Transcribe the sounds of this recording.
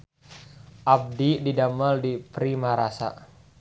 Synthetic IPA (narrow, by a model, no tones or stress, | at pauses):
ʔab̚dididamaldipɾimaɾasa̰